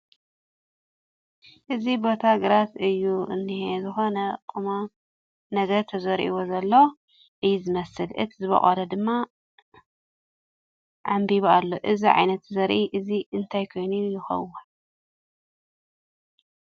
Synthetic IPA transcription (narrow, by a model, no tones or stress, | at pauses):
ʔɨzibo̞t̪ʰaɡɨɾat̪ɨjːuɨ̰nːihezɨxo̞nɐkʼɨma | nɐɡɐɾt̪ʰɐzɐɾʔḭwozɐlːo | ʔɨjːzɨmɐsɨlɨ̰t̪ʰizɨβɐ̰χʼɐlɐd̪ɨmːa | ʕambiβalːoʔɨziʕa̰jnɐt̪zɐɾʔiʔɨziɨnt̪ʰajkʰo̞jnujɪxɐ̰wu